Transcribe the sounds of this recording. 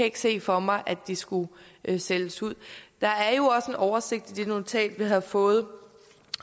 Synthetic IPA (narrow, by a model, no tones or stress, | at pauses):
kæe̝ɡ̥se̝̰ːfɒ̽mɑ̈ɪʔæd̥isɡ̥useləsuð̰ˠd̥ɑ̈æɐjo̝ɒ̽səe̝nɒʊɐse̝ɡ̥̚d̥id̥e̝nut͡sʰɛ̰ːld̥ʋiɦæfɔ̽ːð̞̩ˠ